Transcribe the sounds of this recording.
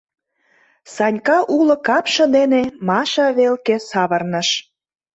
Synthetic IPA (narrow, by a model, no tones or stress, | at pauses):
sɑnʲkɑʔulɤ̆kɑpʃɤ̆d̪enemɑʃɑβelkesɑβə̆rnə̆ʃ